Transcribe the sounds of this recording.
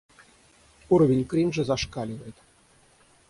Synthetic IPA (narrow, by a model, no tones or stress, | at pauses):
uɾɔvʲinʲkrʲimʐɨ̆zaʂkalʲivɐjt̪